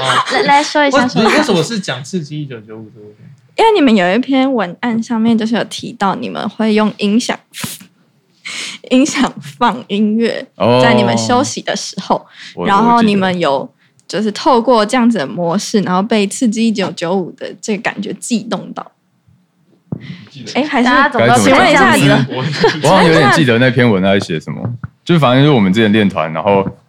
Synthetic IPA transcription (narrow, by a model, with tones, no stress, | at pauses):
la˨˥la˧˥ɪʂwɔ˥i˧˩wa˥˧˥we˥˩sə˨mə˧ʂ̩˥˨t͡ɕjɑ˨˩ŋt͡sʰɹ̩˥˨t͡ɕi˥i˥˩t͡ɕjo˨˩ʊt͡ɕjo˨˧˦u˨˩˧ | i˥nwe˥˩ni˨˩mə˨˦njo˨˩ʊi˥˩pʰjɛ˥nwə˧˥na˥˧nʂɑ˥˧ŋmjɛ˥˧nt͡ɕjo˥˧ʂ̬ɻ̩˥˩jo˨˩t̪ʰi˧˥t̪ɑ˥˩ʊnḭ˨˩mə̰˦nxwe˥˧ɪjo˥˩ŋi˥ŋɕjɑ̰˨˩ŋ | i˧˥ŋɕjɑ˨˩ŋfɑ˥˩ŋi˥nɥɛ̰˥˨˩t͡sa˥˩ɪni˨˩mə˦nɕjo˥ʊɕi˨˩d̪ə̰˨˦ʂɻ̩˧˥xo˨˩ʊɻa˧˦nxo˥˩ʊni˨˩mə˦njo˨˩ʊ | t͡ɕjo˥˧ʊʂ̬ɻ̩˥˧t̪ʰo˥˧ʊkwɔ˥˧ʈ͡ʂɤ˥˧jɑ˥˩ŋd͡z̩˩d̪ə˩mwɔ˧˥ʂɻ̩˥˩na˧˥nxo˥˧ʊpe˥˧ɪt͡sʰɹ̩˥˧t͡ɕi˥˩t͡ɕjo˨˩ʊt͡ɕjo˧˥ʊu˨˩d̪ə̰˦ʈ͡ʂə˥˩ɡə˩ka̰˨˩nt͡ɕɥɛ˨˧˥t͡ɕi˥˧t̪ʊ˥˧ŋt̪ɑ˥˩ʊ | e˥ɪxa˧˥ɪ˥˨ka˥˨i˧˥ŋwe˥a˥˧˨ | ɑ˥˩ŋjo˧˥t̪jt͡ɕi˥˨d̪ə˨na˥˩ɪpʰjɛ˥nwə˧˦nla˧˥ɪɕɥɛ˨˧˥ʂə˦mə̰˦t͡ɕjo˥˧ʊʂɻ̩˥˩a˨n˥˩wɔ˨mə˨nt͡st͡ɕjɛ˥˨nljɛ˥˨nt̪ʰwa̰˦nna̰˧˦nxo˥˩ʊ